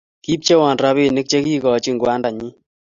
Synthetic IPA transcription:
ki˦p̚t͡ʃe˦wɔ˨nɾa˦βi˦˨nɪ˦k̚t͡ʃe˦ki˦kɔ˨t͡ʃi˦ŋɡwa˦nda˨ɲi˦

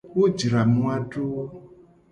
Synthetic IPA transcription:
wo˦d͡ʒɾa˨mũ˦a˦ɖo˦

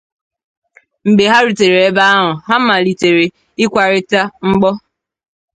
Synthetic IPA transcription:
m̩˨be˨ɦa˦ɾu˨te˨ɾe˨e˦ba˦a˦ɦʊ˨ɦa˦ma˨li˨te˨ɾe˨ | ɪ˦kʷa˨ɾɪ˦ta˦ŋ͡m̩˦ɡ͡bɔ˦

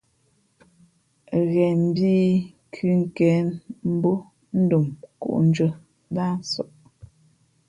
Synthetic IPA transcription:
ɣɛ˨m̩˦˨biː˦ | kʰʉ˦ŋ̩˦kɛ˨˦nm̩˦bo˦ | n̩˦du˨mkṵ˦˨ʔn̩˦d͡ʒə˦ | da˦n̩˦sɔ˨ʔ

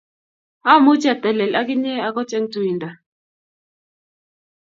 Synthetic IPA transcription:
a˦mʊ˦t͡ʃa˨t̪ɛ˨lɛ˨la˦ɡɪ˦ɲɛ˦a˦kɔ˦t͡ʃɛ˦ŋtu˨i˨nd̪a˨

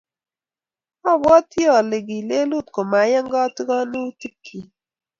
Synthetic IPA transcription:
ɔ˦bwɔ˦t̪i˦ɔ˨le˨ɡi˨le˦lu˦˨t̪̚ko˨ma˨˦jə˦ŋɡɔ˦ti˦ɡɔ˦nu˦ti˦kʰːi˨

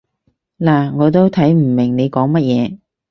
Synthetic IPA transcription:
laː˨˩ŋɔː˨˧t̪o˥wt̪ʰɐ˨˥jm̩˨˩mɪ˨˩ŋne˨˧jkɔː˨˥ŋmɐ˥t̚jɛː˨˧

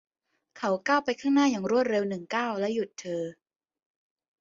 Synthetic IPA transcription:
kʰa˦˥wkaː˥˩wpa˧jkʰaː˥˩ŋnaː˥˩jaː˨˩ŋɾu˥˩ət̪̚ɾe˧wnɯ˨˩ŋkaː˥˩wlɛ˦˥ju˨˩t̪ʰːɤː˧

